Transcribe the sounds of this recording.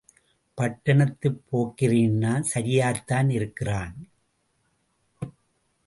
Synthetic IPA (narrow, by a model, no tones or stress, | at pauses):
pɐʈːɐɳɐt̪ːɯpːoːkːɪriːnːaːsɐɾɪjaːɾt̪aːnɪɾɯkːɪraːn